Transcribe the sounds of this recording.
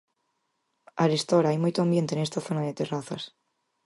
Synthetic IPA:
aɾest̪oɾaajmujt̪oambje̞nt̪enest̪aθonaðet̪eraθas

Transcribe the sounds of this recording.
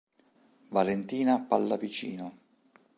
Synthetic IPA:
valent̪iːnapalːavit͡ʃḭːno

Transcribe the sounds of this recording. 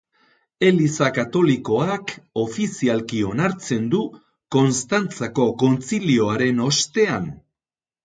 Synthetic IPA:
e̞lisakat̪o̞liko̞ako̞fisialkio̞naɾt͡se̞nd̪u | ko̞nst̪ant͡sako̞ko̞nt͡silio̞aɾe̞no̞st̪e̞an

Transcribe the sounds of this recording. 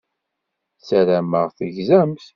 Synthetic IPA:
t͡sːæɾæməʁθəʝzæmθ

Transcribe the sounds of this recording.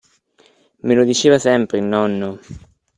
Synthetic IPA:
melod̪it͡ʃeːvasɛmpɾeilnɔnːo

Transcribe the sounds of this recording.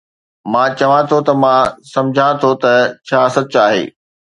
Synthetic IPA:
mãt͡ɕɐʋãt̪ʰot̪ɐmãːsɐ̃md͡ʑʱãt̪ʰot̪ɐt͡ɕʰaːsɐt̪̚t͡ɕaːɦḛː

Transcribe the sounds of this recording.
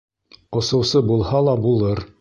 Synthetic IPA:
ŏsɤ̆wsɤbulˠhɑlˠɑbulˠɤɾ

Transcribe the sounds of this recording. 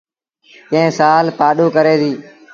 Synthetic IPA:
kẽẽːsaːlpaːɗoːkəɾeːd̪iː

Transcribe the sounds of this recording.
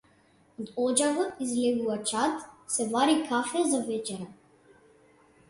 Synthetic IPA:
d̪ɔd͡ʒavəizlɛɡuvat͡ʃat̪sɛvaɾikʰafɛzavɛt͡ʃɛɾa

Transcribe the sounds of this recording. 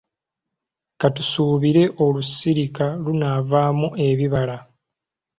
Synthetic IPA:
katusuːβiɾe̞ʔo̞lusiɾikalunavaːmuʔe̞βiβala

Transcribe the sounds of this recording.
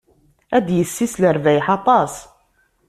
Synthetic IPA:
æd̪jəsːisləɾvæjħɑt̪ˤɑs

